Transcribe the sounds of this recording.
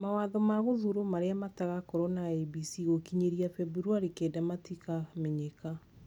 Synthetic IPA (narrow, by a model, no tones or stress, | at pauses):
mawaðɔmaɣoðuɾomaɾeamataɣakɔɾɔnaɛbisiɣokiɲeɾiafɛbuɾwaɾikedamatikameɲeka